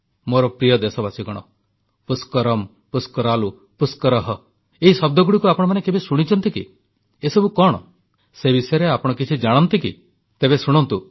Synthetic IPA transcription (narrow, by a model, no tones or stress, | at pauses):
moɾɔpɾijɔd̪esɔbasiɡɔɽ̃ɔ̰ | puskɔɾɔm | puskɔɾalu | puskɔɾɔɦɔ | eɦisɔb̚d̪ʱɔɡuɽikuapɔɽɔmanekebesuɽ̃it͡ʃɔnt̪ikḭ | esɔbukɔɽ̃ɔ̰ | sebisɔjɔɾeapɔɽ̃ɔkit͡ʃʰid͡ʒaɽ̃ɔnt̪ikḭ | t̪ebesuɽ̃ɔnt̪u